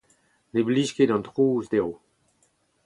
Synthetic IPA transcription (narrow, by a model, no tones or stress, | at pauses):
nebliʃkedɑ̃nt̪ʁuːzd̪eʁo